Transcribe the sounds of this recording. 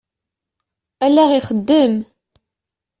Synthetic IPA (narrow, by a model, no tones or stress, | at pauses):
ælːæʁiχəd̪ːəm